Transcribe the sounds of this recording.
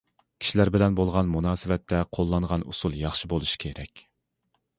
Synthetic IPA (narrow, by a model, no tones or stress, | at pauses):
kʲʰi̥ʃilæɾbɪlɛnbolˠʁɑnmunɑːsɪvɛt̪ʰːɛqʰolˠːɑɴʁɑnṵsulˠjɑχʃibolˠuʃi̥kʲʰeɾɛkʲ